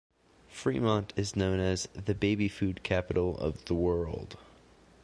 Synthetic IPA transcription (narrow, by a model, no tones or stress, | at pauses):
fɹimɑ̃ntʰɨznõʊ̃nɨzðɨbeɪbifʉd̚kʰæpɨɾl̩ˠʌ̰vðəwɜ˞lˠd̥